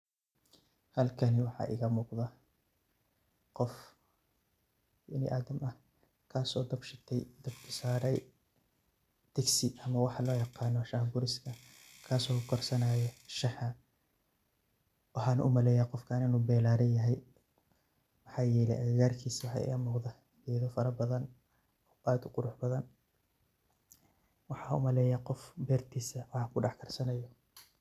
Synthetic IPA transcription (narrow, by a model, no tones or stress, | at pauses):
hɐlkʰɐnɪwɑħɑ̰ːʔɪ̰ɣɐmuːqðɐ | qɔf | bɛnɪ̰ʔaːd̪ɐmɐh | kʰaːsɔːd̪ɐbʃɪt̪ʰɛjd̪ɐbkʰɪsaːɾɛj | d̪̥ɛɡsɪʔɐmɐwɑħɑlɔːjɑqɑːnɔʃaːhbʊɾɪskʰɐ | kʰaːsɔːkʊkʰɔrsɐnaːjɛʃɑħɐ | wɑħɑːnɐʔʊmɐlɛːjaːqɔfkʰaːnɪnuːbɛːlaːɾɐjɐɦɛj | mɐħɑːjɛːlɛ̰ʔɐɣaːrkʰiːswɑħɑ̰ːʔɪ̰ɐmʊːqða | dɛːðɔfɐɾɐbɐðɐn | ɔːʔaːd̪ʊqʊɾʊħbɐðɐn | wɑħɑːʊ̰mɐlɛːjaqɔfbɛːrt̪ʰiːsɐwɑħɑːkʰʊɖɑħkʰɐrsɐnɐjɔ